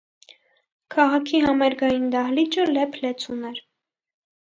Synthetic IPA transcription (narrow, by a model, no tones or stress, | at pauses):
kʰɑʁɑkʰiɦɑmɛɾɡɑjind̪ɑɦlit͡ʃəlɛpʰlɛt͡sʰunɛɾ